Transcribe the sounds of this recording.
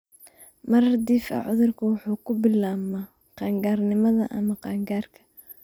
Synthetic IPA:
mɐɾɐd̪iːfɐ̰ʕʊðʊrkʰɐwʊħuːkʰʊbɪlaːmɐ | qɑːŋɡaːrnɪmɐðɐʔɐmɐqɑːŋɡaːrkʰɐ̥

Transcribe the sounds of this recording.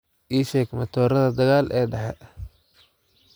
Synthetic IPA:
ʔiːʃɛːɡmɐt̪ʰɔːɾɐðɐd̪ɐɣaːlʔɛːɖɐħɛ̰

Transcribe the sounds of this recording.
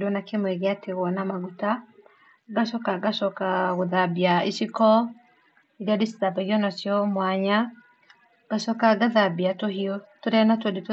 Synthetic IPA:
donakemwɛɣeateɣwɔnamaɣuta | ɡasɔkaɡasɔkaɣoðabiaisikɔ | iɾeadisi̥tabaɣiɔnɔsjɔmwaɲa | ɡ̥asɔkaɡaðabiatoɦiɔtoɾɛnatwodet

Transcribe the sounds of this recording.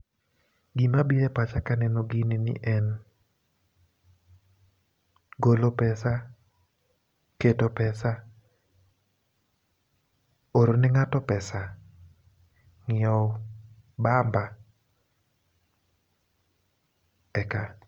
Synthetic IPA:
ɡimabiɾɛpat͡ʃakanɛnoɡininɪ̰ʔɛn | ɡolopɛsa | ketopɛsa | oɾonɛŋatɔpɛsa | ŋɪɔ | bamba | ɛka

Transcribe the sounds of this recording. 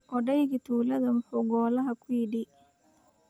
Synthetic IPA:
ʔɔɖɐjɣɡit̪ʰuːlɐðɐmʊħuːɡɔːlɐɦɐkʰʊjɪɖɪ

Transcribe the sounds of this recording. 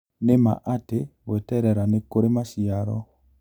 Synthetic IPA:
nema̰ʔateβwɛtɛɾɛɾanekoɾemaʃiaɾɔ̰

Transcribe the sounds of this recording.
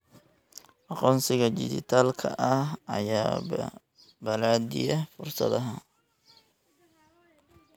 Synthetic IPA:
ʔɑqɔːnsɪɣɐd͡ʒɪ̰dɪ̰t̪ʰaːlkʰɐ̰ʔɐhɐ̰jaː | bɐlaːd̪ɪ̰jɐfʊrsɐ̰ðɐɦɐ

